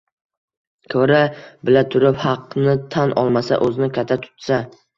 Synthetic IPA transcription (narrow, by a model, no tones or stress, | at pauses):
kʰɵɾabɪlat̪ʰʊɾɪphɑqnɪt̪ʰanʔɒ̰lˠmasa̰ʔɵzɪnɪkʰʲat̪ʰːat̪ʰʊ̥t̪sa